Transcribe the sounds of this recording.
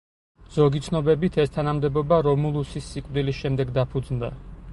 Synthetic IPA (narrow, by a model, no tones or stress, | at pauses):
z̥ɔɡit̪sʰnɔbɛbit̪ʰɛst̪ʰanamd̪ɛbɔbaɾɔmulˠusisːikʼvd̪ilisʃɛmd̪ɛɡd̪apʰud̪znd̪a̰